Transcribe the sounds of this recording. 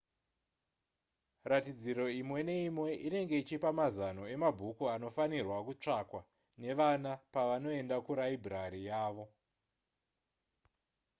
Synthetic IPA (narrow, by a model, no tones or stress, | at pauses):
ratid͡ziɾo̞imwe̞ne̞imwe̞ʔine̞ŋɡe̞it͡ʃipamazano̞e̞mabʱukuano̞fanirwakut͡ʂakwa | ne̞ʋanapaʋano̞e̞ndakuɾaibʱiraɾijaːʋo̞